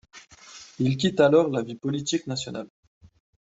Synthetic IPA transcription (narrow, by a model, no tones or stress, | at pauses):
ilkʲit̪alɔʁlavipɔlit̪iknasjɔnal